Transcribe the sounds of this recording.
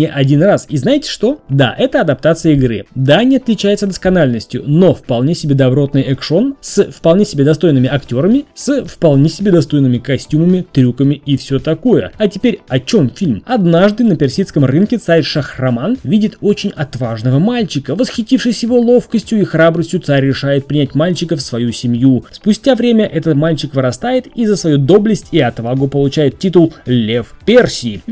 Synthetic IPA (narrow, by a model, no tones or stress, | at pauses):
nʲɪʔɐdʲinrasiznajɪtʲɪ̥ʂt̪o̞d̪a̰ʔɛt̪əɐd̪ɐp̚t̪at̪sɨjəɪɡɾɨ̰d̪anʲɪɐt̪lʲɪt͡ɕæjɪt̪səd̪əskɐnalʲnəsʲtʲjʊ̰no̞fpɐlˠnʲesʲɪbʲed̪ɐbɾo̞t̪nɨjɛkʂo̞nsəfpɐlˠnʲesʲɪbʲe̞d̪ɐst̪o̞jnɨmʲɪɐktʲo̞ɾəmʲɪsəfpɐlˠnʲesʲɪbʲe̞d̪ɐst̪o̞jnːɨmʲɪkɐsʲtʲuməmʲɪt̪ɾʲukəmʲɪɪfsʲot̪ɐko̞jə̰ɐtʲɪpʲeɾʲɐt͡ɕo̞mfʲilʲmɐd̪naʐd̪ɨnəpʲɪrsʲit̪skəmrɨnkʲɪt̪saɾʲʂəxrɐmanvʲidʲɪt̪o̞t͡ɕɪnʲɐt̪vaʐnəvəmalʲt͡ɕɪkəvəsxʲɪtʲifʂɨsʲjɪvo̞lˠo̞fkəsʲtʲjʊixrabɾəsʲtʲjʊt̪saɾʲːɪʂajɪt̪̚pɾʲɪnʲæt̚ʲmalʲt͡ɕɪkəfsvɐjusʲɪmjuspʊsʲtʲavɾʲemʲəʔɛt̪ət̪malʲt͡ɕɪkvɨɾɐst̪ajɪt̪izəsvɐjud̪o̞blʲɪsʲtʲɪɐt̪vaɡʊpəlˠʊt͡ɕæjɪt̪tʲːit̪ʊlˠlʲefpʲersʲɪː